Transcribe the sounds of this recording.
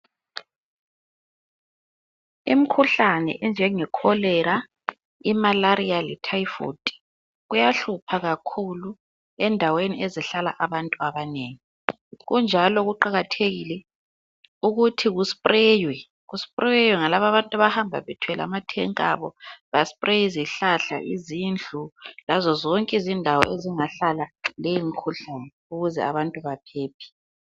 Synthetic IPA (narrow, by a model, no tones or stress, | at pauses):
im̩kʰuɬanɛ̰ʔɛnd͡ʒʱɛŋɛkʰɔlɛɾa | imalaɾialɛtʰaifo̰tʼi̥ | ɣujaɬupʰaɣakʰulu | ɛndʱaweniɛzɛɬala̰ʔaβantʼuaβaneːŋi | ɣund͡ʒʱalɔɣuǃaɣatʰeɣilɛ | uɣutʰiɣuspʼrɛːjwɛ | ɣuspʼrɛjwɛŋalaβaβantʼaβahambʱa̰βɛtʰwɛla̰matʰɛŋkʼaβɔɣaspʼrejiziɬaɬa̰ʔizind͡ɮʱulazɔzɔŋkʼizindʱawɔ̰ʔeziŋaɬalalejiŋikʰuɬanɛ | uɣuzɛ̰aβantʼuβapʰeːpʰi̥